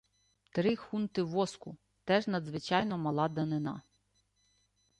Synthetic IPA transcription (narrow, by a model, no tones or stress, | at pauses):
t̪ɾɪxunt̪ɪʋɔskʊ | t̪ɛʒnɐd̪zʋɪt͡ʃɑjnɔmɐlˠɑd̪ɐnɪnɑ̰